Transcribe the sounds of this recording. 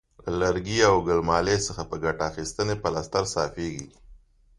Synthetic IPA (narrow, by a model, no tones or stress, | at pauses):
lalaɾɡiawɡəlmɑlesəxapəɡaʈaːxist̪ənepəlast̪aɾsɑfeɡi